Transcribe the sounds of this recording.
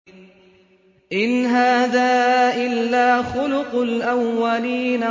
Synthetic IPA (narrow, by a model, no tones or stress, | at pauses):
ʔɪnɦaːðaːʔɪlːaːxʊlʊqʊlʔawːaliːna